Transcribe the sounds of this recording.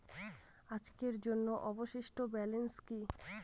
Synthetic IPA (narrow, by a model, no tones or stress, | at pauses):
ad͡ʑkeɾd͡ʑonːoʔɔboʃiʃʈobɛlenski